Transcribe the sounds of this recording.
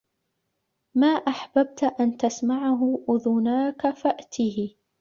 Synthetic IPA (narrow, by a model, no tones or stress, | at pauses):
maːʔaħbab̚t̪ʔant̪asmaʕaɦʊʔʊðʊnaːkafaʔt̪ʰihɪ